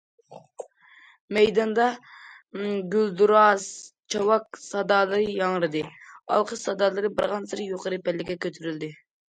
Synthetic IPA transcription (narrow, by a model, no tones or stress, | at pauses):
mɛjd̪ɑnd̪ɑ | ɡʲyld̪uɾɑst͡ʃʰɑwɑk̚sɑd̪ɑːlˠɨɾɨjɑŋɾɨd̪ɨɑ̰lˠqʰəʃsɑd̪ɑːlˠɨɾɨbɨɾʁɑnsɨɾjoqʰəɾɨpɛlːɪkʲɛkʲøt̪ʰyɾyld̪ɪ